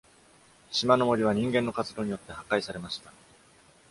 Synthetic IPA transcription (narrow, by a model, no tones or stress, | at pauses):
ɕimano̞mo̞ɾʲiβ̞aɲ̟ĩŋɡẽ̞nːo̞kat͡sɨd̪o̞ːɲ̟ijo̞t̪ːe̞hakaisaɾe̞maɕi̥t̪a